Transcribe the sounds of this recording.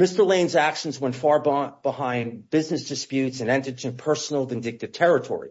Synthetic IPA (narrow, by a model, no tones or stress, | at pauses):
mɪstə˞lẽɪ̃nzækʃn̩zwɛ̃nfɑɹbb̥əhãɪ̃nb̥ɪznɨsd̥ɨspjʉtsɨ̃nɛ̃ntɨt͡ʃʰɨ̃pʰɜ˞sn̩l̩ˠvɨ̃ndɪk̚tɨd̥̚tʰɛɹɨtʰɔ̰ɹḭ